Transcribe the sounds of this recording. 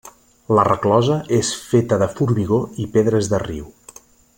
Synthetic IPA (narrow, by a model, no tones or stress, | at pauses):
lərəklɔzəʔesfet̪əðəfuɾmiɣoipeðɾəzðərḭw